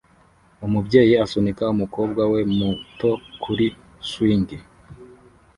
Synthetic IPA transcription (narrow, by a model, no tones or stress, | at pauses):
umubɟe̞ːjiasonikaumuko̞ːbɡwawe̞muto̞kʰuɾi | swiːŋɡi